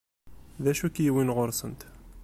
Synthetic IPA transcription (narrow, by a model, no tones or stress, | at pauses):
ðæʃukjiwinʁʊɾˤsənt̪